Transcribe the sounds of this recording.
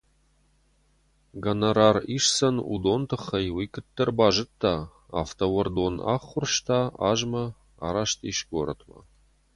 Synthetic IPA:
ɡɐnaɾariʂsɐnṵd̪ont̪ʰɨχɐjwijkɨt̪ːərbaʒɨt̪ːa | aft̪ʰɐwɐrd̪ona̰χːʊrʃt̪ʰaaʒmɐ | a̰ɾaʃt̪ʰiʃɡoɾə̰t̪ma̰

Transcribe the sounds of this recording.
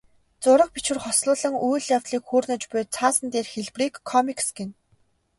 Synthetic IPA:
t͡sʊɾə̆χ̚pit͡ɕwɘ̆rχɔsɮʊːɮə̆ŋujɮjawt̪ɮiːkxuːrnə̆t͡ɕpʊjt͡sʰaːsə̆nt̪eːrxeɮpriːkʰːɔmiksɡen

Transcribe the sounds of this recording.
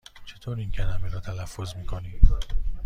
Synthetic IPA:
t͡ʃʰe̞t̪ʰoːɾiːŋcʰælæmeɾɒːt̪ʰælæfːo̞zmiːkʰoniːm

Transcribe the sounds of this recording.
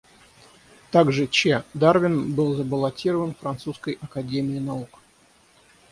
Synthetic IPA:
t̪aɡʐɨt͡ɕed̪arvʲɪnbɨlˠzəbəlˠɐtʲiɾəvənfɾɐnt̪suskəjʔɐkɐdʲemʲɪɪnɐuk

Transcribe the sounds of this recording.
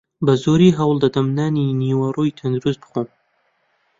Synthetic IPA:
bɐzoːɾiɦɐwld̪ɐd̪ɐmnaːniniːwaɾoːjt̪ʰɐnd̪uɾuz̚bɨ̥xom

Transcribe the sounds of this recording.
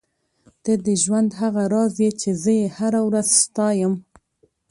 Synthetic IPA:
t̪əd̪əʒwand̪ɦaɣaɾɑzet͡ʃezəjehaɾawɾazst̪ɑjəm

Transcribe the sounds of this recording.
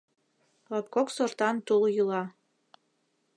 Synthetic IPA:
lɑp̚koksort̪ɑnt̪uljulɑ

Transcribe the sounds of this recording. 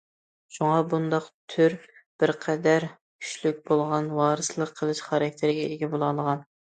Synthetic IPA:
ʃuŋɑbund̪ɑqt̪ʰyɾb̥ɪɾqʰɛd̪æɾ | kʲʰy̥ʃlykʲbolˠʁɑnwɑːɾɨsɨlˠəqʰːəlˠɨʃχɑɾɑk̚ʲt̪ʰɪɾɪɡʲɛeɡʲɛbolˠɑlˠəʁɑn

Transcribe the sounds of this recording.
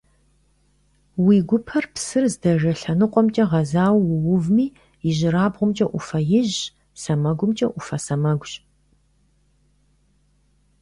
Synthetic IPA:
wiːɡʷʊpʰɐrpsɨrzdɐʒɐɬɐnɨqʷʼɔmt͡ʃʼɐʁɐzaːwːʊwʊvmiː | jɪʑɪɾaːbʁʷʊmt͡ʃʼɐʔʷʊfɐjɪʑ | sɐmɐɡʷʊmt͡ʃʼɐʔʷʊfɐsɐmɐɡʷɕ

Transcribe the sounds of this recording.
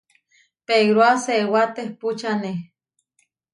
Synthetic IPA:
peɡɾoasewat̪ehput͡ʃane

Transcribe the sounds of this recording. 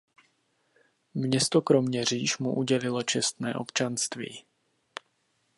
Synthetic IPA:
mɲɛst̪okɾo̞mɲɛr̝iːʃmṵʔuɟɛlɪlo̞t͡ʃɛst̪nɛ̰ːʔo̞pt͡ʃanst̪vḭː

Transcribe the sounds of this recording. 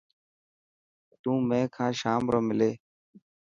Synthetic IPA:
t̪ũːmẽːkʰãːʃaːmɾoːmɪleː

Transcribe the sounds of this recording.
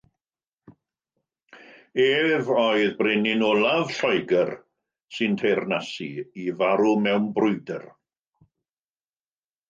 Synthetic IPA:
eːvɔɨðbrenɪnɔlˠavɬɔjɡər | sɨntʰejrnasiivaɾumɛwnbrʊjdər

